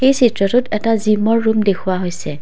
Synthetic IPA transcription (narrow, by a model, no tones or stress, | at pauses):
xejsitɹɔtʊtɛtazimɔɹːumdekʰuwaɦojsɛ